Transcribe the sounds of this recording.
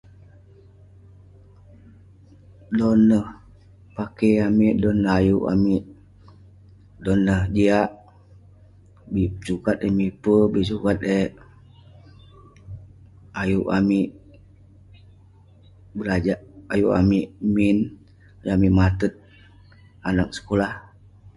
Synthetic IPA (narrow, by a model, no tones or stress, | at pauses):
dɔnːəh | pakeamiʔdɔnːəɦajuʔa̰miʔ | dɔnːəhd͡ʒiaʔ | bisukat̪̚emipəbis̬ukat̪̚e | ajuʔamiʔ | bəlad͡ʒaʔajuʔa̰miʔmin | amiʔmat̪ət̪̚ | anak̚sə̥kolah